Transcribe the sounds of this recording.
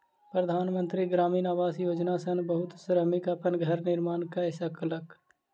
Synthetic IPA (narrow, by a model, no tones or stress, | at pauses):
pɾəd̪ʱaːnmə̃nt̪ɾiɡɾaːminaːʋaːsjoːd͡ʒnasənbəɦʊt̪sɾəmɪkɐpənɡʱɐɾnɪɾmaːnkaɪʃəkələk